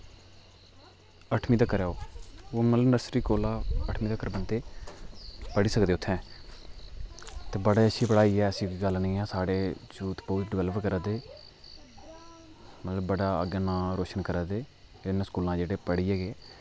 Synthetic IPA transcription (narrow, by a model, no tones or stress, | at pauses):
əʈʰmiːt̪əkːəɾɛːoːoːmət̪ləbnəɾsɾiːkoːlaːəʈʰmiːt̪əkːəɾbənt̪eː | pəɽiːsəkd̪eːʊt̪ʰːɛ̃ː | t̪eːbəɽeːəʃiːpəɽaːiːɛːəsĩːkiːɡəlnĩːɛ̃ːsaːɽeːd͡ʒuːt̪boːt̪ɖɪʋɛːlʋəɾkəɾaːd̪eː | mət̪ləbːəɽaːəɡaːnãːɾoːʃənkəɾaːd̪eː | ɪnskuːlãːd͡ʒeːɽeːpəɽiːɛːɡeː